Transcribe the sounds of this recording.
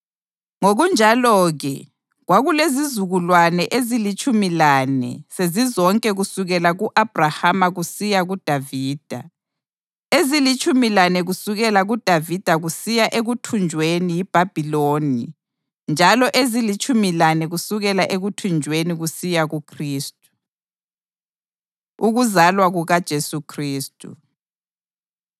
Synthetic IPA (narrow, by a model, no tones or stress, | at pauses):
ŋoɣund͡ʒʱalɔɣɛ̰ | ɣwaɣulezizuɣulwanɛʔezilit͡ʃʼumilanɛ̰sezizɔŋkʼɛɣusuɣɛlaɣuʔab̥ʱrahamaɣusijaɣud̥ʱaviːd̥ʱa̰ | ezilit͡ʃʼumilanɛɣusuɣɛlaɣud̥ʱavid̥ʱaɣusijaʔeɣutʰund͡ʒʱwenijib̥ʱab̥ʱiloːni | nd͡ʒʱalɔʔezilit͡ʃʼumilanɛɣusuɣɛlaʔeɣutʰund͡ʒʱweniɣusijaɣukʰriːstʼu | uɣuzalwaɣuɣad̥ʒ̥ʱesukʰriːstʼṵ